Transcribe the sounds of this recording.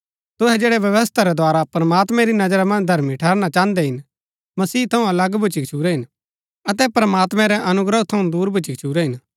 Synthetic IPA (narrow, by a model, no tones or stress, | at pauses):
t̪ʊɦɛd͡ʒeːɽɛʋjɐʋəst̪ʰaɾɛd̪ʱwaːɾapɾɐmaːt̪mɛ̃ɾinɐd͡ʒɾamɐ̃nd͡ʒd̪ʱɐɾmiʈʰɛːɾñat͡ʃãːnd̪ɛɦɪn | mɐsiːt̪ʰɐũɐlɐɡbʱʊt͡ʃikt͡ʃʰuːɾɛɦɪn | ɐt̪ɛpɾɐmaːt̪mɛ̃ɾɛʔɐnʊɡɾət̪ʰːɐũd̪uːɾbʱʊt͡ʃikt͡ʃʰuːɾɛɦɪn